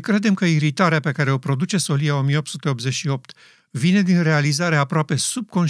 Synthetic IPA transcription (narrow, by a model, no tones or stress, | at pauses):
kɾe̞d̪e̞mkəiɾit̪aɾeape̞kaɾe̞o̞pɾo̞d̪ut͡ʃe̞so̞lijao̞mijeop̚t̪sut̪e̞o̞p̪ze̞t͡ʃʲʃio̞p̚t̪ | vine̞d̪inre̞alizaɾeapɾoape̞sub̚ko̞n